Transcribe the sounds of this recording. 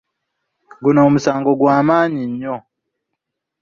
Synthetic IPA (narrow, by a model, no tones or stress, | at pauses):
ɡunaːmusaːŋɡoɡwaːmaːɲiɲːo